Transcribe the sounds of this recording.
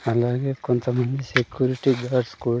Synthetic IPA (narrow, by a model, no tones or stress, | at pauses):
ɐlaɡekont̪ɐmɐnd̪isekjuɾiʈiɡaːɖskul